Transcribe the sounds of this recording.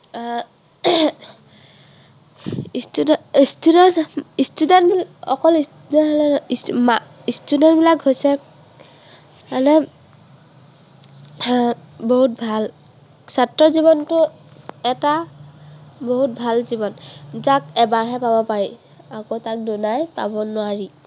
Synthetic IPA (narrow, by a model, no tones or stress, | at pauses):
ististudɔnistudɛntbiɔkɔlistudɔɔlɛma | istudɛntbilakɦojsɛ | alɛ | boɦut̚bʱal | satɹɔzibɔntʊ | ɛta | boɦut̚bʱalzibɔnzak̚ɛbaɹɦɛpabɔpaɹi | akotak̚dunajpa̰bɔnʊaɹi